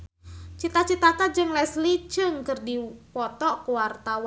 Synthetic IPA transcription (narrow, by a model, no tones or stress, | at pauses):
t͡ʃit̪at͡ʃit̪akad͡ʒɨŋlɛslit͡ʃɨŋkɨrdipɔt̪ɔkuwart̪aw